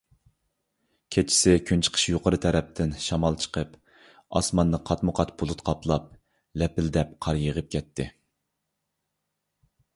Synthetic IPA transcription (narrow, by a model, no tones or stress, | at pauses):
kʲʰet͡ʃʰi̥sɪkʲʰynt͡ʃʰə̥qʰə̥ʃjoqəɾɨt̪ʰɛɾɛp̚t̪ʰɪnʃɑmɑlˠt͡ʃʰə̥qʰəp | ɑ̰smɑnːɨqʰɑt̪mʊqʰɑt̪b̥olˠʊt̪qʰɑplˠɑp̚ | lɛpɪld̪ɛp̚qʰɑɾjəʁəp̚kʲʰɛt̪ʰːɪ